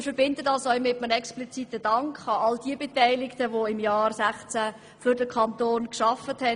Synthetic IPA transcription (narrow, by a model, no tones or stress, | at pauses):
ɪfəɾb̥ɪndədɑsœʏmɪtmənɛksplit͡sitədɑŋkχɑɑldiəbetɛɪlɪktəʋoɪmjɑːrsæχt͡sæ | fʏɾdəkʰɑntoːnkʃɑfəthɛ